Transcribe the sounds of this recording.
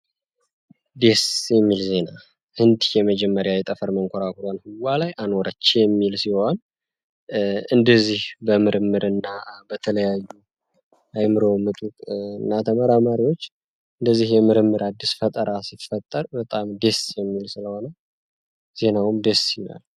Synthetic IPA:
d̪e̞sjɛmːilze̞na | hɨnd̪jɛməd͡ʒɛmːəɾjajɛt̪ʼəfəɾməŋkʷʰoɾakʰuɾanhɨwːalajʔanoɾət͡ʃːjɛmːilsiho̞n | ɨnd̪əzːihbəmɨɾɨmːɨɾɨnːabət̪ʰələjajːu | ʔajmɨɾo̞mɨt̪ʼut̪ʼɨnːat̪ʰəməɾamaɾiwo̞t͡ʃː | ɨnd̪əzːihjɛmɨɾɨmːɨɾad̪ːisfət̪ʼəɾasifət̪ʼːəɾbət̪ʼamd̪e̞sjɛmːilsɨləho̞nə | z̥e̞nawʊmd̪e̞sina̰l

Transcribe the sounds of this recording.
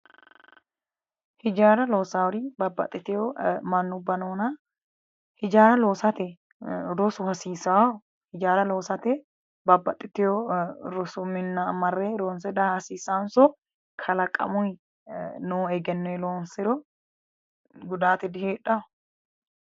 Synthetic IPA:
hɪd͡ʒaːɾɐlo̞ːsawɾɪbɐbːɐ̰t̪ʼːɪt̪ɪjɔmɐnːʊbːɐnoːnɐ | hɪd͡ʒaːɾɐloːsɐt̪ɛ | ɾɔsʊhɐsiːsaw | hɪd͡ʒaːɾɐloːsɐt̪ɛ | bɐbːɐt̪ʼːɪt̪ɪjɔɾɔsʊmɪnːɐmɐrːɛɾoːnsɛd̪ɐhɐsiːsansɔ | kʰɐlɐkʼːɐ̰mʊj | noːɛɡɛnːɔjloːnsɪɾɔ | ɡʊd̪aːt̪ɪd̪ɪheːᶑɐ

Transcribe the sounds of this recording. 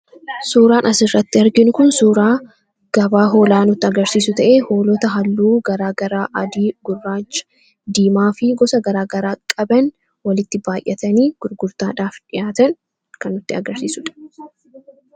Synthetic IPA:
suːɾaːnʔɐsɪrːɐt̪ːɪɐɾɡɪnʊkʊnsuːɾaː | ɡ̥ɐbaːɦo̞ːlaːnʊt̪ːɪɐɡɐɾsiːsʊt̪ɐʔeːho̞ːlɔt̪ɐɦɐlːuːɡɐɾaːɡɐɾaːʔɐd̪iːɡ̥ʊrːaːt͡ʃːɐ̥ | d̪iːmaːfɪɡɔsɐɡɐɾaːɡɐɾaːkʼɐbɐn | wɐlɪt̪ːɪbaːjʔːɛt̪ɐniːɡ̥ʊɾɡʊɾt̪aːᶑaːfᶑɪjaːt̪ɐn | kɐnːʊt̪ːɪɐɡɐɾsiːsʊᶑɐ̥

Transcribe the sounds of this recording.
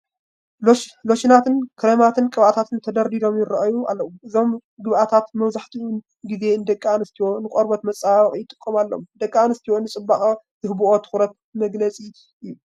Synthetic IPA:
loʃinat̪ɨnkʰɨɾemat̪ʰɨnkʼɨβʔat̪ʰat̪ʰɨnt̪ʰɐd̪ɐɾd̪id̪o̞mjɪɾɐʔajua̰lːɐwumʔɨzo̞mɡɨβʔat̪ʰat̪mɐβzaħt̪ʰiun | ɡize̞ɨnd̪ɐkʼːanɨst̪ʰiwonɨkʼoɾbot̪mɐt͡sʼaxʼijɪt̪ʼɨ̥kʼːomalːo̰md̪ɐkʼːaanɨst̪ʰiwonːɨt͡sʼɨbːaxʼɐ | z̥ɨhbuʔot̪ʰɨ̥xɾɐt̪̚ | mɐɡlɐt͡sʼi | ɨjːu

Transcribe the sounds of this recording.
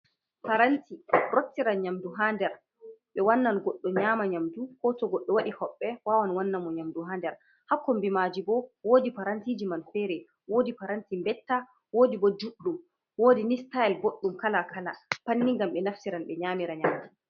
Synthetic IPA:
paɾantiɾotːiɾaɲamduɦandɛɾ | ɓɛwanːanɡɔɗːɔɲaːmaɲamdukɔtɔɡɔɗːɔwaɗihɔɓːɛwawanwanːamɔɲamduɦandɛɾ | hakːɔmbimaːd͡ʒibɔwoːdipaɾantid͡ʒimanfɛɾɛ | woːdipaɾantimbɛtːa | woːdibɔd͡ʒuɗːum | woːdinistaɛlboɗːumkalakʰalapanːiŋɡamɓɛnafsiɾanɓɛɲaːmiɾaɲamdu

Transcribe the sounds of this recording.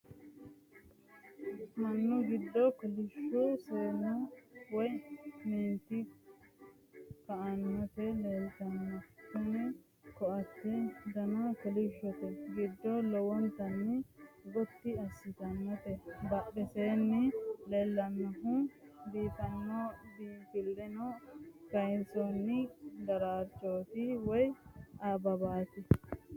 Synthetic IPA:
mɐnːʊɡɪd̪ːɔkɔlɪʃɔsoːnɔwɔjmiːnt̪ːɪ | kɐʔɐnːɔt̪ɛleːlt̪ɐnːɔtʊnɛ | kɔɐt̪ːɛd̪ɐnokɔlɪʃːɔt̪ɛɡɪd̪ːɔlɛwɔnt̪ɐnːɪɡɔt̪ːɪɐsːɪt̪ɐnːɔt̪ɛbɐɓɛseːnːɪleːlːɐnːɔɦubiːt̪ɐnːɔb̪iːtɪlːɛnɔkɐjnsonːɪd̪ɐɾaːɾt͡ʃːoːt̪ɪwɔjaːbɐbaːt̪ɪ

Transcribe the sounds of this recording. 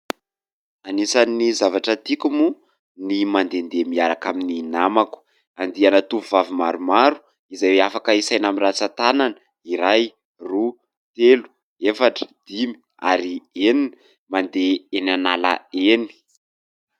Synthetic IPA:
anisanizavaʈ͡ʂət̪ikumu | nimand̪end̪emiaɾakamininamaku̥ | and̪ianat̪upuvavimaɾumaɾu̥ | izajweafakəisajnamirat͡sat̪ananə | iɾaj | ru | t̪elu̥ | efaʈ͡ʂə̥d̪̥imi̥ | a̰ɾienini | mand̪eenanala̰eni̥

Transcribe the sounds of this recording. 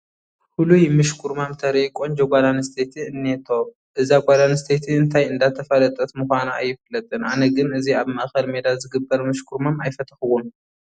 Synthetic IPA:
hulujmɨʃkʰuɾmamt̪ʰɐɾejkʼoɲd͡ʒoɡʷad̪anst̪ʰet̪ʰiɨnːet̪ʰo̞m | ʔɨzaɡʷalanst̪ʰet̪ʰiɨnt̪ʰajɨnd̪at̪ʰɐfɐlɐt̪ʼɐt̪mɨxʷana̰jːɪfɨlːɐt̪ʼɨnʔa̰nɐɡɨnɨziaβmɐʔxɐlme̞d̪azɨɡɨbːɐɾmɨʃkʰuɾmamajfɐt̪ʰɐ̥xɨwum

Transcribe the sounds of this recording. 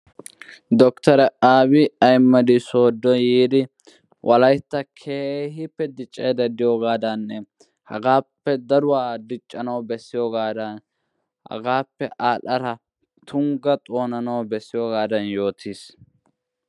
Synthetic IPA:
d̪ɔkt̪ɐɾɛaːbɪɐjmːɐd̪ɪso̞ːd̪ːɔjiːd̪ɪ | wʔɐlɐjt̪ːɐkʰeːhɪpːɛd̪ɪt͡ʃʼːeːd̪ɐd̪ɪjoːɡaːd̪ɐnːɛ | hɐ̰ɡaːpːɛd̪ɐɾʊwaːd̪ɪt͡ʃʼːɐnɐwbɛsːɪjoːɡaːd̪ɐn | hɐ̰ɡaːpːɛʔaːlɐɾɐ | t̪ʰʊŋɡɐt̪ʼo̞ːnɐnɐwbɛsːɪjoːɡaːd̪ɐnjo̞ːt̪ʰiːs

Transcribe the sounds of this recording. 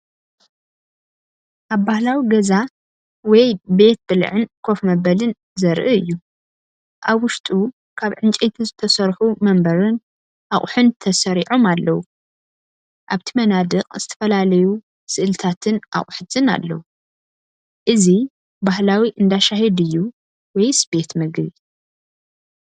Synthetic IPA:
ʔaβbahlawiɡɐza | wɔjbe̞t̪̚bɨl̰ʕɨnkʰo̞fmɐbɐlɨn | zɐɾʔɨɨ̰jːu | ʔaβwʊʃt̪ʼu | kʰaβʕɨnt͡ʃʼet̪ʰizɨt̪ʰɐsɐɾħumɐmbɐɾɨn | ʔaχʼħɨnt̪ʰɐsɐɾiʕomalːɐwu | ʔaβt̪ʰimɐnad̪ɨqʼz̥ɨt̪ʰɐ̥fɐlalɐju | sɨʔɨlt̪ʰat̪ʰɨnʔa̰χʼħɨzʰʼɨna̰lːɐ̰wu | ʔɨzi | bahlawiʔɨnd̪aʃaɦɛd̪ɨjːu | wɔjsbe̞t̪mɨɡβi

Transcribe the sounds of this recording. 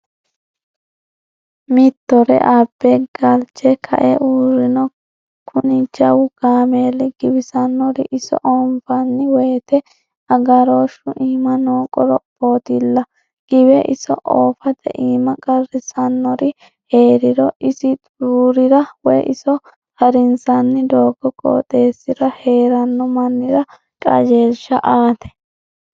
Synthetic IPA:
mɪt̪ːɔɾɛ̰ʔaːbːeɡ̥ɐlt͡ʃɛkʰɐ̰ʔɛʔuːɾɪnɔ | kʰʊnɪd͡ʒɐwʊɡ̥aːmeːlɪɡɪbɪsɐnːɔɾɪʔɪsɔ̰ʔɔːmfɐnːɪweːt̪ɛ | ɐɡɐɾo̞ːʃʊʔiːmɐnoːkʼɔɾɔboːt̪ɪlːɐ | ɡ̥ɪbɛʔɪsɔ̰ʔoːfɐt̪ɛ̰ʔiːmɐkʼɐrɪsɐnːɔɾɪ | he̞ːɾɪɾɔʔɪsɪt̪ʼuːɾɪɾɐwɛjʔɪsɔ | hɐɾɪnsɐnːɪd̪oːɡɔkʼɔ̰ːt̪ʼe̞ːsːɪɾɐhe̞ːɾɐnːɔmɐnːɪɾɐ | kʼɐ̰d͡ʒeːlʃɐʔaːt̪ɛ̥

